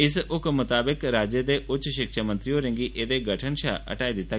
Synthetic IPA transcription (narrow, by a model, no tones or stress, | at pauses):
ɪsʊkmʊt̪aːbɪkɾaːd͡ʒjəd̪eʔʊtːʃʃɪkʃamə̃nt̪ɾijoɾɐ̃ŋɡiʔed̪eɡɐʈʰənʃa̰ɐ̰ʈaːid̪ɪt̪aː